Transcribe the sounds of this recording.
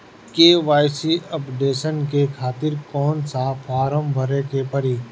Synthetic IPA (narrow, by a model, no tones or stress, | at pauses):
keːʋaːjsiɐpɖeːʃənkekʰaːt̪ɪɾkɔːnsafʰaːɾəmbʱəɾẽkepɐɾiː